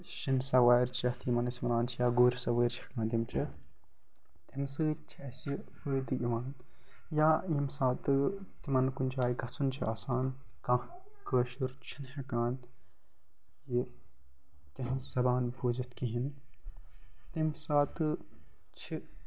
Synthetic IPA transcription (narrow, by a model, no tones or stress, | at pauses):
ʃinsɐwaːɾt͡ʃɐt̪ʰimɐnɐsmɐɾaːnt͡ʃʰijaːɡoːɾisɐwəːɾt͡ʃʰɐkãːnd̪imt͡ʃʰɐ | t̪imsɨːt͡ʃʰɐsipɨːd̪ɨʔimaːn | jaːjimsaːt̪ɨ | t̪imɐnkunʲt͡ʃʰaːjiɡɐt͡sunt͡ʃʰiʔaːsaːn | ka | kəːʃuɾt͡ʃʰinhekaːn | ji | t̪iɦsɐbaːnbuːzɐt̪ʰkiɦin | t̪imsaːt̪ɨ | t͡ʃʰi